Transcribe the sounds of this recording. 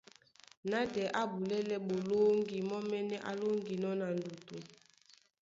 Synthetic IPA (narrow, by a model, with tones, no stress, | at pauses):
na˦dɛ˨ʔa˦bu˨lɛ˦lɛ˦bo˨lo˦ŋɡi˨mɔ˦mɛ˦nɛ˦ʔa˦lo˦ŋɡi˨nɔ˦na˨n˨du˨to˨